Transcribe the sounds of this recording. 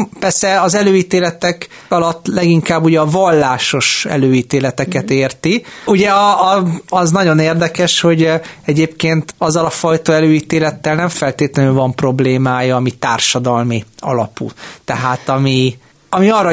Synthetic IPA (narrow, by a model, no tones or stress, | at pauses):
pɛrsɛɒzɛløːiːt̪eːlɛt̪ɛk | ɒlɒt̪ːlɛɡiŋkaːbːuɟɛɒvɒlːaːʃo̞ʃɛ̰løːiːt̪eːlɛt̪ɛkɛt̪eːrt̪iuɟɛɒ | ɒznɒɟo̞neːrd̪ɛkɛʃho̞ɟɛɟeːpkeːnt̪ɒzːɒlɒfɒjt̪ɒɛløːiːt̪eːlɛt̪ːɛlnɛɱfɛlt̪eːt̪lɛnyːvɒmpro̞bleːmaːjɒːmit̪aːrʃɒd̪ɒlmiɒ̰lɒ̰pṵt̪ɛɦaːt̪ɒmi | ɒmiɒːrːɒ